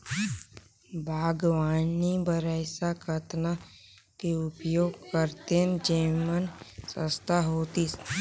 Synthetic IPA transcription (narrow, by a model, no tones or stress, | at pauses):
bʱaːɡwaːnibəɾɛsakʰət̪na | keʊpjoːɡ̚kəɾt̪end͡ʒeːmənsə̰̃st̪aɦoːt̪i